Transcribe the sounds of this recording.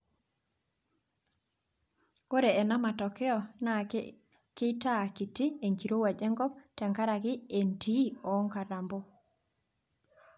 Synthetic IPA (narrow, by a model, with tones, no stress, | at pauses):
o˦ɾe˨ɛ˨na˦ma˨tɔ˨kɛ˦ɔ˦na˨ | kɪ˦ta˦˨ki˨ti˦e˨ŋki˨ɾo˦wa˨d͡ʒɛ˦ŋɡɔ˦ptɛ˨ŋka˦ɾa˨ɡɪ˦e˨nti˦ɔ˨˦ŋka˨ɾa˨mbo˦